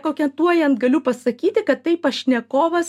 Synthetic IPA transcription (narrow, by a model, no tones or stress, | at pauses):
koːkʲɛnt̪uɔjɐnt̪ɡɐlʲʊpɐsɐkʲiːt̪ʲɪkɐt̪ːɐɪpɐʃʲnʲɛkoːʋɐs